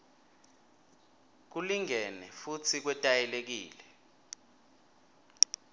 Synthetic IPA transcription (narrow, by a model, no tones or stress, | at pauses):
k̬uliŋɛnɛfut͡sʰik̬wɛtʼajɛlek̬iːlɛ